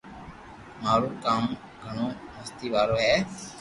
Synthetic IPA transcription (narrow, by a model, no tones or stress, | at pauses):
maːɾuːkaːm | ɡʱəɳoːməst̪iːʋaːɾoːɦɛː